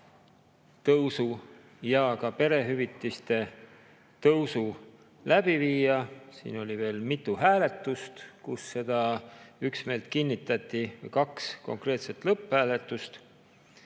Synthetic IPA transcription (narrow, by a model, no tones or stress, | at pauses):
t̪ɤwsu | jɑkɑpe̞ɾe̞ɦyvit̪ːˑist̪e̞ | t̪ɤwsu | læb̥iviːjɑsḭːno̞lʲive̞ːlmit̪ːˑuɦæːle̞t̪ːˑust̪kusːe̞d̪̥ɑyksme̞ːlt̪ˑkinʲːit̪ːˑɑt̪ːˑivejkɑksko̞̰ŋkre̞ːt̪se̞t̪lɤpːhæːle̞t̪ːˑust̪